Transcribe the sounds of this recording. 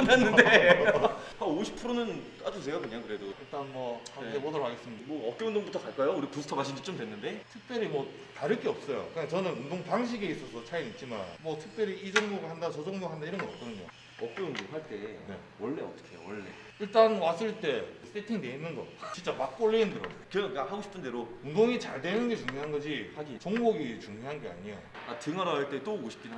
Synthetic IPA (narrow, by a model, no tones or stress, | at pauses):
nanːɯnde | aoɕʰi̥pʰɯɾonɯnkad͡ʑutejaboɲakɯɾe̞doiɭt͈anmwʌkatemʌdʌɭwaɡes͈ɯmidmwʌʌp̚k͈jeundoŋbutʰʌkaɭk͈ajouɾipusʰɯ̥tʰʌmaɕʰind͡ʑit͡ɕ͈omdwe̞nːɯnde̞tʰɯk̚p͈jʌɾimwʌ | taɾɯk͈eʌp̚s͈ʌjo̰kɯat͡ɕʌnɯnundoŋpaŋɕ̬ʰiɡe̞is͈ʌsʰʌt͡ɕʰainit̚t͡ɕ͈ima̰nmʌtʰɯk̚p͈jʌɾiid͡ʑʌŋmoɡahandat͡ɕʌd͡ʑʌŋboɡaɦandaiɾʌnɡʌʌp̚k͈ʌdɯɲo̰ | ʌp̚k͈ʌunɡeɸaɭt͈e̞ne̞̰ | wʌɭːe̞ʌt͈ʌ̥kʰejo̰wʌɭːe̞̰ | iɭt͈anwas͈ɯɭt͈e̞s͈ʰetʰiŋne̞inːɯnɡʌ̰t͡ɕint͡ɕ͈amak̚k͈oɭːiindɯɾʌɡkɯɾʌk͈ahaɡoɕʰi̥pʰɯnde̞ɾoundoŋit͡ɕaɭdwe̞nɯnɡe̞t͡ɕuŋjoɦanɡʌd͡ʑihaɡit͡ɕʌŋboɡit͡ɕuŋjoɦanɡe̞a̰ɲijo̰atɯŋʌɾaaɭt͈e̞t͈oɡoɕʰi̥pkʰinɦa